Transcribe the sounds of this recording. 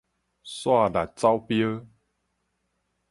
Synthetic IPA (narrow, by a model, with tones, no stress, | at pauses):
swa˥˧˨da˨˩t̚t͡sa˦wpjə˦